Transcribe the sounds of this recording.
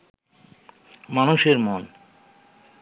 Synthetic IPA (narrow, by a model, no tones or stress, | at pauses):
manuʃeɾmon